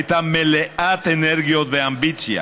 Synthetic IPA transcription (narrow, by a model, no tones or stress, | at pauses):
t̪ameleat̪eneɾɣioðeambit͡sia̰